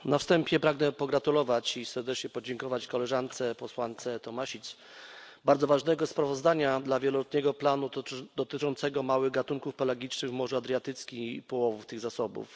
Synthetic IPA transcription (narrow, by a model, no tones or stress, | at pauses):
nafst̪ɛmpʲjɛpɾaɡnɛpɔɡɾat̪ulɔvat͡ɕifsɛɾd̪ɛt͡ʂɲɛpɔd͡ʑɛŋkɔvat͡ɕkɔlɛʐant̪sɛpɔswant̪sɛt̪ɔmaɕit̪s | baɾd̪zɔvaʐnɛɡɔspɾavɔzd̪aɲad̪lavʲjɛlɔlɔt̪ɲɛɡɔplanud̪ɔt̪ɘt͡ʂɔnt̪sɛɡɔmawɘɣɡat̪uŋkufpɛlaɡʲit͡ʂnɘɣvmɔʐuad̪ɾʲjat̪ɘt̪skʲiipɔwɔvuft̪ɘɣzasɔbṵf